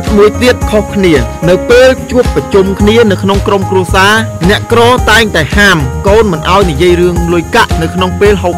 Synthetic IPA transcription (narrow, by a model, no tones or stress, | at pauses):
muəjt̪iət̪̚kʰohkʰniənɨwpeːlt͡ɕuəpːrɑt͡ɕumkʰniənɨwkʰnoŋkromkruəsaːnɛ̆əʔkrɑːt̪aɛŋt̪aɛhaːmkoːnmɨnʔaɔjnijiəjrɨəŋlʊjkaʔnɨwkʰnoŋpeːlɦoːk